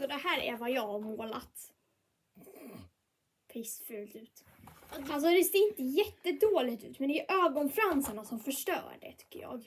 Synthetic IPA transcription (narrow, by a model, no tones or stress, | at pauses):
sɔd̪ɛhæːɾæ̰ɾvajɑːɡhaɾmoːla̰t̪ | pʰɪsfʉ̟ːlt̪ʉ̟ːt̪ | als̬ɔd̪ɛseːɪnt̪əjɛt̪ːəd̪oːlɪɡt̪ʉ̟̰ːt̪mɛnd̪ɛɛʔøːɡɔnfɾansəɳasɔmfœʂʈœ̰ːɖɛ̰t̪ʰʏ̥kːə̰ɾjɑ̰ːɡ